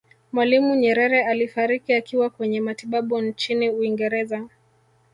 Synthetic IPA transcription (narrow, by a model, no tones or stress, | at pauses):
mwalimuɲɛɾɛɾɛalifaɾikiakiwakwɛɲɛmatiɓaɓunt͡ʃiniuiŋɡɛɾɛza